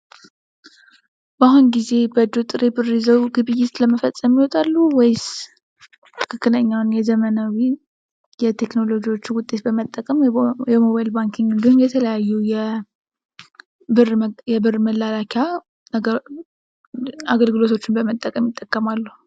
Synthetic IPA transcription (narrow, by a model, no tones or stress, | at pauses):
baɦunɡize̞bəd̪ut̪ʼɨɾebɨrːizəwɡɨβɨjːɪt̪ləməfəsʼəmjiwɔt̪ʼalːuwejs | t̪ʰɨ̥kʰɨkːɨləɲːawnjɛzəmənawi | jɛt̪ʰe̞kno̞lo̞d͡ʒiwo̞t͡ʃːwʊt̪ʼːe̞t̪bəmət̪ʼːəkʼəmjɛmoβajlbaŋkʰɪŋɡɨnd̪ihumjɛt̪ʰələjajːujɛ | bɨrjɛbɨrməlːalakʰa | aɡəlɡɨlo̞t̪ʰo̞t͡ʃːɪnbəmət̪ʼːəkʼəmjɪt̪ʼːəkʼːəmalːuh